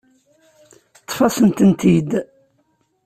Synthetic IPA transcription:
t̪ːˤfɑsənt̪ənt̪id̪

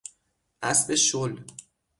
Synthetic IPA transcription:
ʔæsbeʃol

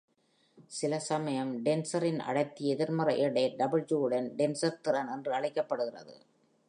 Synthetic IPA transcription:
sɪlɐsɐmɐjɐmɖɛnsɐɾɪnɐ̰ɽɐɪt̪ːiɛðɪɾmɐrɐʔɛɽɐɪɖɐbɪld͡ʒuːɯɽɐnɖɛnsɐɾt̪ɯɾɐnɛndrɯɐɻɐɪkːɐpːɐɽɯɣɪrɐ̰ðɯ̰

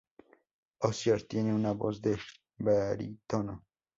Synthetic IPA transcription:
osjaɾt̪jeneunabozd̪eʃ | baɾḭt̪ono

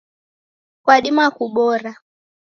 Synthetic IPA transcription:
kwaɗimakuɓɔɾa

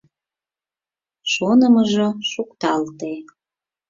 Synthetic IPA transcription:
ʃonəməʒoʃukt̪ɑlt̪e

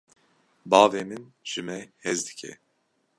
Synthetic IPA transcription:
bɑːveːmɨnʒ̥ɨmɛhɛzd̪ɨ̥kʰɛ̰

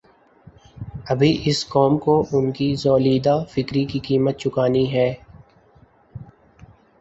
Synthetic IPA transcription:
ɐbʱiʔɪskɔːmkoʔʊnkizɔːliːd̪afɪkɾikikiːmət̪̚t͡ʃʊkaːniɦɛː

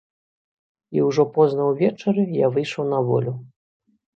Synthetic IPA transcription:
iwʐɔpɔznɐwvʲɛt͡ʂɐɾɨjavɨjʂɐwnɐvɔ̰lʲu

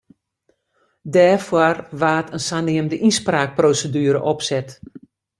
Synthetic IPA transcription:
dɛːfwɔrʋaːtʰənsaniəmdəʔispraːk̚proːsədyəɾə̰ʔɔpsɛt

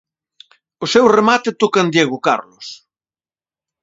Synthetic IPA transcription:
osewremat̪et̪okand̪jeɣʊka̰ɾlos

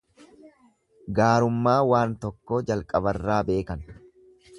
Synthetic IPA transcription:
ɡaːɾʊmːaːwaːnt̪ɔkːo̞ːd͡ʒɐlkʼɐbɐrːaːbe̞ːkɐn

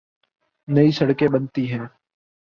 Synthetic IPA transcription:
nəiːsəɽkẽːɓənt̪iːɦɛ̃ː

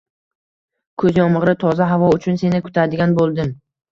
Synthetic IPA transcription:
kʰɵzjɒmʁɾɪt̪ʰɒzaɦavɒʊt͡ʃʰʊnse̞nɪkʰʊ̥t̪ʰad̪ɪɡʲanbolˠd̪ɪm

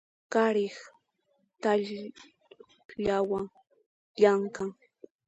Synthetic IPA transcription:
kaɾɪχ | t̪aʎ | ʎawaŋ | ʎaŋkaŋ

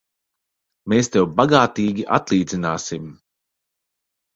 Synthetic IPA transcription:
meːst̪ewbaɡaːt̪iːɡʲiʔa̰t̪lˠiːd̪zinaːsim

